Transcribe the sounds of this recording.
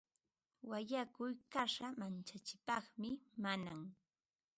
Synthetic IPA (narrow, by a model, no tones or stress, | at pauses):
waʎakʊjkaʂamant͡ʃat͡ʃɪ̥pɑχmɪmanaŋ